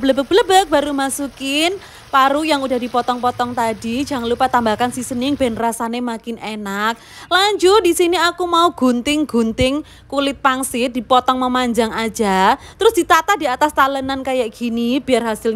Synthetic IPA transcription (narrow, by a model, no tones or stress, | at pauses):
bələbək̚bələbək̚b̥aɾumasukɪn | paɾujaŋudahdipɔt̪ɔŋpɔt̪ɔŋt̪adi̥d͡ʒaŋlupat̪ambakansisənɪŋb̥ɛnrasanemakɪnenak̚ | laɲd͡ʒudisiniakumauɡ̥unt̪ɪŋɡ̥ṳnt̪ɪŋ | kulɪt̪̚paŋsɪt̪̚d̥ipɔt̪ɔŋməmaɲd͡ʒaŋḁd͡ʒ̥at̪əɾʊsd̥it̪at̪ahdiat̪ast̪alənankajaʔɡ̥inib̥i̤arɦasɪl